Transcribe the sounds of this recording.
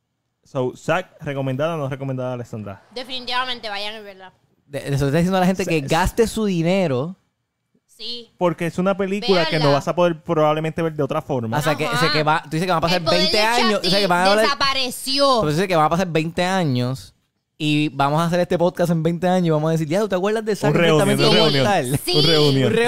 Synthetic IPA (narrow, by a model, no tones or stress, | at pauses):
sowsak̚reko̞mẽnd̪aðanorekomẽnd̪aðaːleksãnd̪ɾa̰d̪efinit̪iβamẽnt̪eβajaŋezβeɾða | d̪eest̪oet̪ːaðijend̪alaɦent̪ekeɡast̪esuðine̞ɾo | sipo̞ɾkeesunape̞likulakenoβasapo̞ðe̞ɾpɾoβaβlemẽnt̪eβeɾd̪eot̪ɾafo̞ɾmaoseakeseakeβat̪uðisekeβaŋapasaɾbejnt̪eãɲososekeβaŋaβllaɾapaɾesjopt̪uisekeβaŋapas̬aɾbejnt̪e̞ãɲos | ibamosaːs̬e̞ɾest̪e̞pod̪̚kasembejnt̪eaɲosiβamohaðes̬iɾjat̪ut̪eakwɾðazd̪elsaeuamẽeeunjõt̪alunreunnjõre